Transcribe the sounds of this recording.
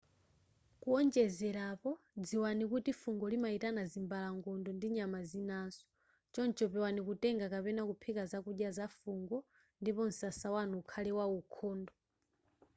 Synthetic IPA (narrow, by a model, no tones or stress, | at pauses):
kuɔnd͡ʒɛzɛɾapɔ | d͡ziwanikutifuŋɡɔlimaitanazimbalaŋɡɔndɔndiɲamazinasɔ̥ | t͡ʃɔnt͡ʃɔpɛwanikutɛŋɡakapɛnakupʰɛkazakuɗjazafuŋɡɔ | ndipɔn̩sasawanuːkʰalɛwaukʰɔːndɔ